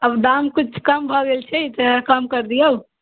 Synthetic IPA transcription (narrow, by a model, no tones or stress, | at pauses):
əbɖ̪amkut͡ʃʰkəmbʱəɡelt͡ʃʰɛt̪əkəmkəɾd̪ijeu